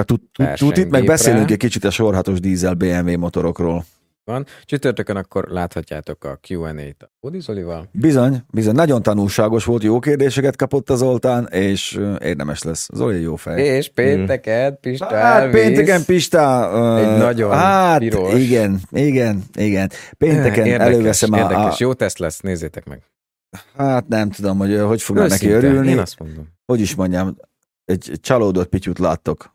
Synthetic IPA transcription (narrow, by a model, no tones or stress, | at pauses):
t̪u | ṵut̪imɛɡbɛseːlyŋkɛc̚kit͡ʃit̪ɒʃorɦɒt̪o̞ʒd̪iːzɛlbeːɛɱveːmo̞t̪o̞ɾo̞kroːl | ɒnt͡ʃyt̪ørt̪økønɒkːo̞̰rlaːt̪hɒcːa̰ːt̪o̞kɒ̰kjuːɛnḛːjt̪od̪izolivɒlbizo̞ɲbizo̞ɲnɒɟo̞nt̪ɒnulʃaːɡo̞ʃʋo̞lt̪joːkeːrd̪eːʃɛkɛt̪̚kɒpo̞t̪ːɒzo̞lt̪aːneːʃøḛːrd̪ɛmɛʃlɛsːɒ̰zo̰lijoːfɛjeʃpeːnt̪ɛkɛnpiʃt̪aɛlpeːnɛtkɛmpiʃt̪aɛnɒɟohatiɾoiɡɛniɡɛniɡɛnpeːnt̪ɛkɛnɛløːvɛsɛmrd̪ɛʃjoːt̪ɛst̪lɛsneːzːeːt̪ɛkmɛ̰ɡ̥ | hat̪nɛmt̪ud̪o̞mho̞ɟɦo̞cfo̞ɡnnɛkiøɾylnnismond̪omho̞ɟiʃmo̞ɲɟam | ɛɟt͡ʃɒloːd̪ot̪̚picut̪la̰ːt̪ːo̞k